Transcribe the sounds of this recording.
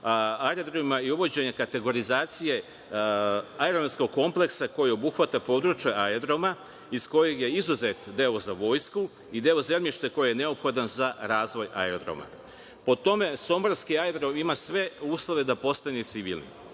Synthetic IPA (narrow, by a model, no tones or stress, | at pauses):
ajɾod̪ɾomimaiuʋo̞d͡ʑe̞ɲekat̪e̞ɡo̞ɾizaːt̪sije̞ | aeɾomsko̞ɡ̚kːo̞mple̞ksako̞jio̞buxʋat̪apo̞ːd̪ɾut͡ɕjaʔaed̪ɾo̞ma | isko̞jeɡje̞izuzet̪d̪e̞o̞zaʋo̞ːjsku | id̪eozelmjiʃt̪eko̞jijene̞o̞pxo̞d̪anzaɾaːzʋo̞ja̰eɾod̪ɾo̰ma̰ | po̞t̪o̞me̞so̞moɾskiaed̪ɾo̞mimasʋe̞uːslˠo̞ʋe̞d̪apo̞st̪anet̪siʋḭlnḭ